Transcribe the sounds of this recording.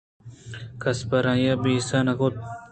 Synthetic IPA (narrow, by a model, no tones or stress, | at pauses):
kɐspɐɾãjabisanɐkot̪̚